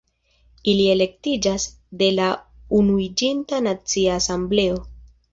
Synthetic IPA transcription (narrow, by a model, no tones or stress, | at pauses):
ilie̞le̞ktid͡ʒas | de̞launuid͡ʒintanat͡siaːsamble̞o̞